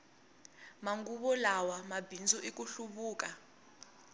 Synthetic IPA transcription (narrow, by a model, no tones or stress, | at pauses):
maŋɡuɓɔlawamabʱind͡zʱɔʔik̬ʼuɬuɓuːk̬ʼa